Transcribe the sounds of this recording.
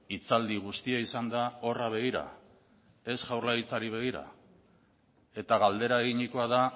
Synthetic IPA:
it͡sald̪iɣ̞ust̪iaisand̪ao̞raβ̞e̞ɣ̞iɾa̰ | e̞sʝawrlait͡saɾiβ̞e̞ɣ̞iɾa̰ | e̞t̪aɣald̪e̞ɾaeɣiɲiko̞aða

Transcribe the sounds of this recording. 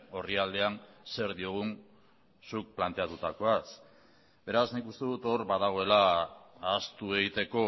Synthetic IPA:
o̞riald̪e̞anse̞ɾðio̞ɣ̞un | suk̚plant̪e̞at̪ut̪ako̞as | be̞ɾaznikust̪e̞ðut̪o̞ɾβaðaɣ̞o̞e̞laː | st̪ue̞ɣit̪e̞ko̞

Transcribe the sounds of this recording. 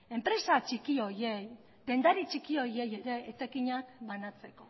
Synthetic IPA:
e̞mpɾe̞sat͡ʃikiojej | t̪e̞nd̪aɾit͡ʃikio̞je̞je̞ɾe̞ːt͡sekiɲakbanat͡se̞ko̞

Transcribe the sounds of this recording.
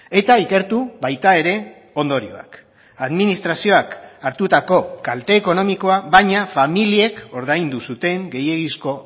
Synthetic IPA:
e̞t̪aike̞ɾt̪uβajt̪ae̞ɾe̞ | o̞nd̪o̞ɾio̞̰a̰k | aðminist̪ɾasio̞akaɾt̪ut̪ako̞kalt̪e̞ːko̞no̞miko̞aβajɲafamilie̞ko̞ɾðajnd̪usut̪e̞ŋɡe̞je̞ɣisko̞

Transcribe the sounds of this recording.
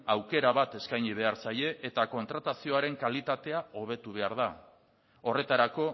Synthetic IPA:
awke̞ɾaβat̪e̞skajɲiβ̞e̞aɾsaje̞ʔːt̪ako̞nt̪ɾat̪asio̞aɾe̞ŋkalit̪at̪e̞aoβ̞e̞t̪uβ̞e̞aɾða | o̞re̞t̪aɾako̞

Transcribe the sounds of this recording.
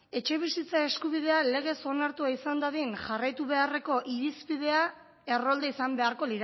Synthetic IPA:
e̞t͡ʃe̞β̞isit͡sae̞skuβiðe̞ale̞ɣ̞e̞so̞naɾt̪uaisand̪aðinʝarajt̪uβe̞are̞ko̞ʔiɾispið̞e̞a | e̞ro̞ld̪eisambe̞aɾko̞liɾa

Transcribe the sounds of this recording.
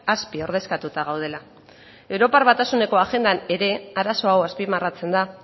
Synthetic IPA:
aspio̞ɾð̞e̞skat̪ut̪aɣ̞awð̞e̞la | e̞wɾo̞parβat̪asune̞ko̞aʝe̞nd̪ane̞ɾe̞aɾaso̞awaspimarat͡se̞nd̪a

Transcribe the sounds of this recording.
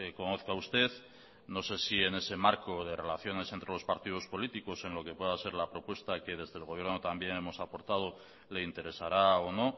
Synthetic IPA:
eko̞no̞θkaust̪e̞ð | no̞se̞sie̞ne̞se̞maɾko̞ð̞e̞re̞laθjone̞se̞nt̪ɾe̞lo̞spaɾt̪ið̞o̞spo̞lit̪iko̞se̞nlo̞ke̞pwe̞ðase̞ɾlapɾo̞pwe̞st̪ake̞ð̞e̞zðeːlɣo̞βje̞ɾno̞t̪ambje̞ne̞mo̞sapo̞ɾt̪að̞o̞ | le̞int̪e̞ɾe̞saɾaono̞

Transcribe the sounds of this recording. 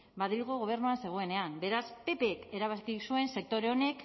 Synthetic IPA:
baðilɣoɣ̞o̞β̞e̞ɾnuanse̞ɣ̞o̞e̞ne̞ambe̞ɾaspe̞peːke̞ɾaβakisuense̞k̚t̪o̞ɾeo̞ne̞k

